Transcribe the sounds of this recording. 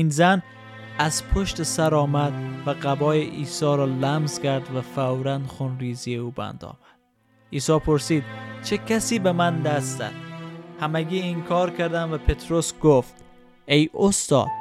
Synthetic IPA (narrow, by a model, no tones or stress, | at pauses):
inzæn | æzpʰoʃt̪esæɾɒːmæd̪væɢæbɒːjeʔiːsɒːɾɒːlæmzkʰæɾd̪væfæwɾænd̪xunɾiːzijeuːbæ̰nd̪ɒ̰ːmæd̪̥̚ | iːsɒːpʰoɾsiːd̪̥̚t͡ʃʰekʰæsiːbemænd̪æst̪zæ̰d̪̥hæmæɡʲiːiŋkʰɒːɾkʰæɾd̪æmvæpʰe̞t̪ʰɾosɡoft̪ | ejost̪ɒ̰ːd̪̥